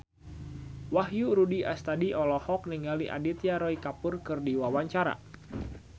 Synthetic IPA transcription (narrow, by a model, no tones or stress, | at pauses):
waɦjuɾudia̰st̪adiʔɔlɔhɔk̚niŋaliʔa̰dit̪jaɾɔikapurkɨrdiwawaɲt͡ʃaɾa̰